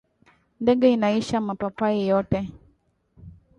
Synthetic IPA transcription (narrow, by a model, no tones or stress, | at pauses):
ndɛɠɛinaiʃamapapaijɔtɛ